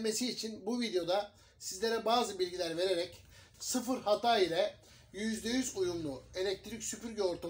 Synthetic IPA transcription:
me̞siːt͡ʃʰinbuvid̪ejo̞d̪a | sizlʲe̞ɾɛbaːzɯbilʲɟilʲæɾve̞ɾe̞ɾɛc | sɯfɯɾhat̪ʰaːilʲɛ | jyzd̪e̞jyzujumlˠue̞lʲɛc̚t̪ʰɾicsypyɾɟyo̞ɾt̪ʰa

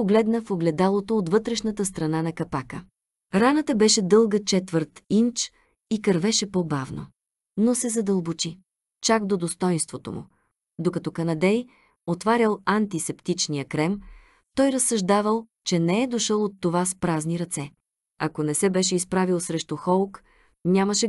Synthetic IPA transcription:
oɡlɛd̪nəfoɡlɛd̪alˠot̪oːt̪vɤt̪ɾɛʃnət̪əst̪ɾɐnanɐkɐpakə | ɾanət̪əbɛʃɛd̪ɤlˠɡət͡ʃɛt̪vəɾt̪int͡ʃ | ikɐɾvɛʃɛpobavno̰ | nosɛzɐd̪əlˠbot͡ʃi | t͡ʃakd̪od̪ost̪ɔjnst̪vot̪o̰mṵ | d̪okɐt̪ɔkɐnɐd̪ɛj | ot̪vaɾʲəlˠɐnt̪isɛpt̪it͡ʃnijəkɾɛm | t̪ɔjɾɐsːɐʒd̪avəlˠ | t͡ʃɛnɛɛd̪oʃɤlˠot̪ːovaspɾazniɾɐt̪sɛ | ɐkonɛsɛbɛʃɛispɾavilˠsɾɛʃt̪uxɔlˠk | nʲaməʃɛ

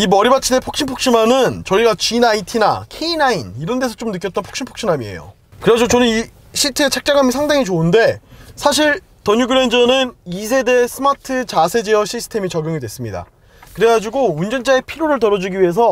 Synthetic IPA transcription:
imʌɾibat͡ɕʰine̞pʰok̚ɕ͈inpʰok̚ɕ͈imanɯnt͡ɕʌiɡat͡ɕinaitʰina̰kʰe̞inainiɾʌnde̞sʰʌt͡ɕ͈omnɯk͈jʌt͈ʌnpʰo̥k̚ɕ͈ʰinpʰo̥k̚ɕ͈inamiḛjo̰ | kɯɾd͡ʑot͡ɕʌnɯni | ɕʰitʰɯet͡ɕʰak̚t͡ɕ͈aŋɦamjisʰaŋdaŋit͡ɕounde̞sʰaɕʰiɭ | tʌɲuɡɯɾend͡ʑʌnɯnisʰe̞de̞sʰɯmatʰɯt͡ɕasʰe̞d͡ʑeʌɕʰisʰɯ̥tʰe̞mit͡ɕʌɡjoŋidwe̞s͈ɯmɲida̰ | kɯɾe̞ɡad͡ʑuɡound͡ʑʌnd͡ʑae̞pʰiɾoɾɯɭt̬ʌɾʌd͡ʑuɡiɥiɦe̞s̬ʰʌ

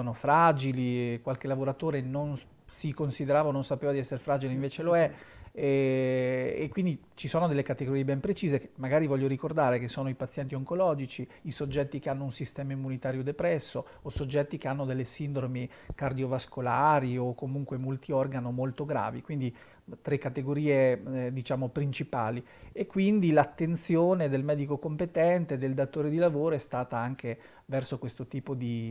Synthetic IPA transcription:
oːnofɾad͡ʒilikwalk̟elavoɾat̪oːɾenon | sikonsid̪eɾaːvaononsapeːvad̪iɛsːeɾefɾaːd͡ʒileiɱveːt͡ʃeloɛ | ekːwind̪it͡ʃisoːnod̪elːekat̪eɡoɾiebɛmpɾet͡ʃiːzekemːaɡaːɾivɔʎːoɾikord̪aːɾekesoːnoipat̪sjɛnt̪ioŋkolɔːd͡ʒit͡ʃiːsod͡ʒːɛt̪ːikeanːounsist̪ɛːmaimːunit̪aːɾjod̪epɾɛsːoːsod͡ʒːɛt̪ːik̟eanːod̪elːesind̪ɾomi | kard̪iovaskolaːɾiokːomuŋkwemult̪iɔrɡanomolt̪oɡɾa̰ːvikwind̪i | t̪ɾekːat̪eɡoɾiːed̪it͡ʃaːmopɾint͡ʃipaːli | ekːwind̪ilat̪ːent̪sjoːned̪elmɛːd̪ikokompet̪ɛnt̪ed̪eld̪at̪oːɾed̪ilavoːɾoɛst̪aːt̪aaŋkʰe | vɛrsokwest̪ot̪iːpod̪i

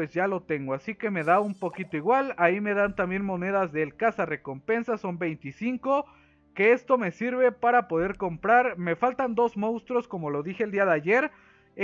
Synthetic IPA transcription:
ezʝalo̞t̪e̞ŋɡoasike̞me̞ðaumpo̞kit̪oiɣwalaime̞ðant̪ambje̞nmo̞ne̞ðazðelkasare̞ko̞mpe̞nsaso̞mbe̞jnt̪isiŋko̞ | ke̞e̞st̪o̞me̞siɾβe̞paɾapo̞ðe̞ɾko̞mpɾaɾme̞falt̪and̪o̞zmõ̞nst̪ɾo̞sko̞mo̞lo̞ðixe̞ld̪iaðeaʝe̞ɾ

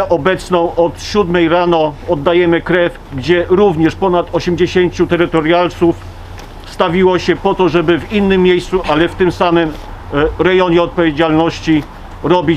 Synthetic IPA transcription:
ʔɔbɛt̪snɔ̃w̃ʔɔt̪ɕud̪mɛjɾanɔɔd̪ːajɛmɘkɾɛf | ɡd͡ʑɛɾuvɲɛʂpɔnat̪ɔɕɛmd͡ʑeɕeɲt͡ɕut̪ɛɾɘt̪ɔɾjalt̪suf | st̪avʲiwɔɕɛpɔt̪ɔʐɛbɘvinːɘmʲːjejst̪suʔalɛft̪ɘmsamɘm | ɾɛjɔɲɛɔt̪̚pɔvʲjed͡ʑalnɔɕt͡ɕi | ɾɔbʲi

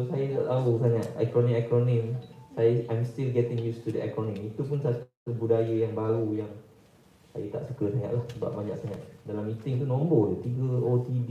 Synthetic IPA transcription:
sajət̪aʔt̪aʊsaŋaʔ̪̚a̰kɾɔnĩakɾɔnĩmsajaʔajmstilɡɛt̪ɪ̃ŋjust̪udəʔa̰kɾɔnĩmit̪upʊnsat̪ | budajəjaŋbaɾujaŋ | sa̰jət̪a̰ʔsukəsaɲa̰ʔlahsəba̰p̚baɲa̰k̚saŋat̪dalamit̪ɪŋt̪unõmbɔdət̪iɡəot̪ib

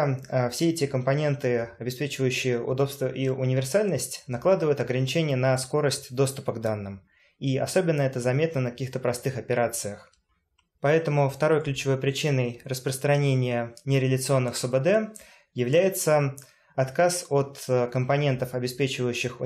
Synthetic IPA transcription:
fsʲeɛtʲɪkəmpɐnʲe̞nt̪ɨɐbʲɪspʲet͡ɕɪvəjʉɕːɪjəʊ̰d̪o̞pst̪vəʔiʊnʲɪvʲɪrsalʲnəsʲtʲnɐklˠad̪ɨvəjʊt̪ɐɡɾənʲɪt͡ɕenʲɪjənəsko̞ɾəsʲtʲd̪o̞st̪ʊpəɡd̪anːɨm | iɐ̰so̞bʲɪnːəɛt̪əzɐmʲe̞t̪nənəkɐ̥kʲixt̪əpɾɐst̪ɨxɐpʲɪɾat̪sɨjəx | pɐɛt̪əmʊft̪ɐɾo̞jklʲʉt͡ɕɪvo̞jpɾʲɪt͡ɕinːəjrəspɾəst̪ɾɐnʲenʲɪjənʲɪɾʲɪlʲɪt̪sɨo̞nːɨxsəbəd̪ɛ | jɪvlʲæjɪt̪sə | ɐt̪kasot̪kəmpɐnʲent̪əfɐbʲɪspʲet͡ɕɪvəjʉɕːɪx

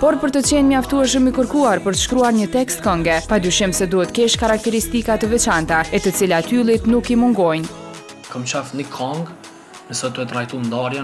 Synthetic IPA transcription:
pɔɾpəɾt̪ət͡ɕɛnɲaft̪uɛʃ̬əmikəɾkuaɾpəɾt̪ə̥ʃkɾuaɾɲət̪ɛkst̪kɔŋɡɛpad̪yʃimsɛd̪uhɛt̪kɛʃkaɾak̚t̪ɛɾist̪ikat̪əvɛt͡ʃant̪aɛt̪ət͡silat̪ylˠit̪nukimuŋɡɔjn | kəmt͡ʃafnikʰɔŋɡ | ɛsɔt̪uɛt̪ɾajt̪und̪aɾja

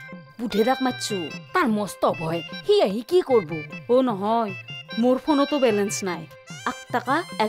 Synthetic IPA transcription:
budʱeɾak̚matsʰut̪aɹmɔst̪ɔbʱɔjhiaɦikikoɹboɦonɔɦɔjmoɹpʰonɔt̪ɔbɛlɛnsnaj | ak̚t̪akaɛ

